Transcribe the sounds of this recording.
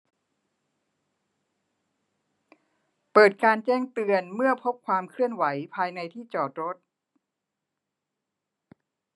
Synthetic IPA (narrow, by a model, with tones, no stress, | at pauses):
pɤː˨˩t̪̚kaː˧nt͡ɕɛː˥˩ŋt̪ɯ˧ənmɯ˥˩ɐpʰo˦˥p̚kʰwaː˧mkʰɾɯ˥˩ənwa˩˦jpʰaː˧jna˧jt̪ʰiː˥˩t͡ɕɔː˨˩t̪̚ɾo˦˥t̪̚